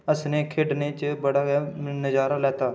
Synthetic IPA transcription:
əsnekʰeːɖnet͡ʃbəɽanəd͡ʒaːɾalɛːt̪aː

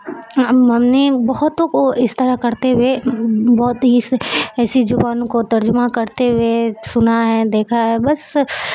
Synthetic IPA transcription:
ɦɐmnebɔɦʊt̪oːkoɪst̪ɐɾakɐɾt̪ewebɔːt̪ɦisɛːsid͡ʒʊbaːnõkot̪ɐɾd͡ʒʊmakɐɾt̪ewesʊnaɦɛd̪eːkʰaɦɛbɐs

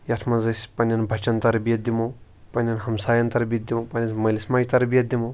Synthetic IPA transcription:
jɐt̪ʰmɐnzɐsʲpɐnʲjɐnbʱɐt͡ʃɐnt̪ɐɾɐbijɐd̪ʲimu | pɐnʲːɐnɦɐmsaːjɐnt̪ɐɾɐbʲiɐd̪ʲimupɐnʲɐsmɐlismaːjt̪ɐɾɐbiɐd̪imu

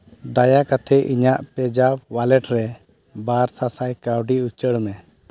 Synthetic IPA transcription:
d̪ajakat̪ʰɛʔiɲaʔpɛd͡ʒabwalɛʈɾɛ | baɾsasajkawɖiut͡ʃəɽmɛ

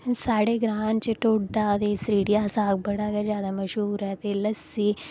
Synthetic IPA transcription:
saːɽeɡɾaːnt͡ʃeʈoːɖaːd̪esɾiːɽijaːsaːk̚bɐɽaːkazjaːd̪amɐʃɦuːɾɦɛt̪eləsiː

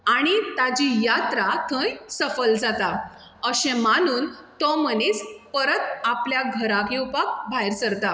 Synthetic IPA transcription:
aɽ̃it̪ad͡ʑijat̪ɾat̪ʰə̃jsəfəld͡zat̪a | əɕɛ̃mañuːnt̪ɔmənet͡spəɾət̪̚apljaɡʱəɾaɡiwpak̚bʱajɾsəɾt̪a

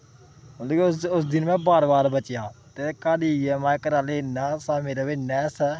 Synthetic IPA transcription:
ɦʊd̪ekːsʊsd̪ɪnmɛ̃ːbaːɾbaːɾbət͡ʃjaːt̪eːkaːɽiːɛːmãːkəɾaːleːnaːsaːmeːɾaːʋeːnɛːsɛː

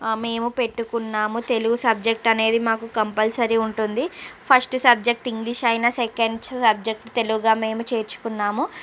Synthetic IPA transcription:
me̞ːmupe̞ʈːukunːaːmut̪e̞luɡusɐb̚d͡ʒe̞k̚ʈɐne̞ːd̪imaːkukɐmpɐlsɐɾiuɳʈund̪ipʰɐsʈsɐb̚d͡ʒek̚ʈiŋɡliʃɐjnaːsekɐɳɖsɐb̚d͡ʒek̚ʈt̪e̞luɡuɡaːme̞ːmut͡ʃe̞ːɾt͡ʃu̥kunːaːmu

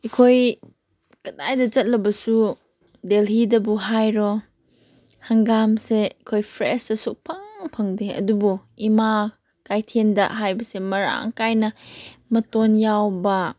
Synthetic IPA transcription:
ikʰoj | kɐtajdɐd͡ʒɐt̚lɐbɐsu | delɦidɐbuɦajɾɔ | hɐŋɡamseikʰojpʰɾḛsɐsuk̚pʰɐŋpʰɐŋdeɐ̰dubuima | kajtʰendɐɦajbɐsemɐɾa̰ŋkajnɐmɐtonjawbɐ

